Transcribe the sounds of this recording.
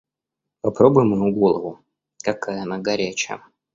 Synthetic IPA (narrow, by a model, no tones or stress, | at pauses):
pɐpɾobʊjɪmːɨjuɡolˠəvʊ | kɐkajəɐnaɡɐɾʲæt͡ɕɪjə̰